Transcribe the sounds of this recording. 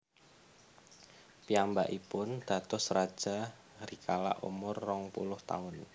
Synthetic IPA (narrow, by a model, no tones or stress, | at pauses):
piambaʔipʊnd̪̥a̤t̪ʊsrad̥ʒ̥a̤ | rikʰala̰ʔṵmʊrːɔŋpṵlʊht̪a̰ʊn